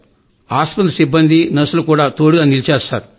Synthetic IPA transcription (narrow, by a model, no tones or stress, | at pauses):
aːspɐnd̪ɐsibːɐnd̪inɐsulukuːɽaːt̪o̞ːɽuɡaːnilit͡ʃɛːst̪a̰ːɾu